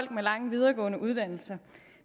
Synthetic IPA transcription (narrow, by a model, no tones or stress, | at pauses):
l̰ɡ̥̚melɑ̈ŋəʋið̞ˠɐːɡ̥ɔ̰̽ːnəʔuð̞ˠd̥æn̰l̩sɐ